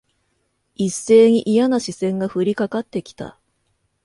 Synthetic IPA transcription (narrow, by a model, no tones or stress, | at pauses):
isːe̞ːɲ̟iʔijanaɕisẽ̞ŋɡaɸɯ̟ɾʲikakat̪ːe̞kʲi̥t̪a̰